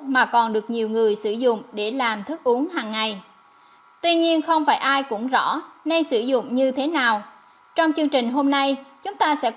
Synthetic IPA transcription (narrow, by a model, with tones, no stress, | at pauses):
maː˨˩kɔ˨˩nɗɨ˨˩ək̚ɲi˨˩əwŋɨ˨˩əjsɨ˧˩zʊ̰˧˨ŋ͡mɗe˧˩laː˨˩mt̪ʰɨ˦˥k̚ʔu˨˦ənɦaː˨˩ŋːa˨˩j | t̪wi˧ɲi˧ənxə˧wŋ͡mfaː˧˩jʔaː˧jkʊ̰˧˥ŋ͡mzɔ̰˧˥ne˧nsɨ˧˩zʊ̰˧˨ŋ͡mɲɨ˧t̪ʰe˨˦naː˨˩w | t͡ɕɔ˧wŋ͡mt͡ɕɨ˧əŋt͡ɕï˨˩ŋ̟ɦo˧mna˧jt͡ɕʊ˨˦ŋ͡mt̪aː˧sɛ̰˧˥